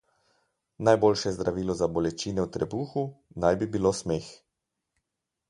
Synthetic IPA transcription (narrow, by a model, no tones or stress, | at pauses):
najboːlʃɛzd̪ɾaʋiːlɔzabɔlɛt͡ʃiːnɛwt̪ɾɛbuːxunajbibiloːsmeːx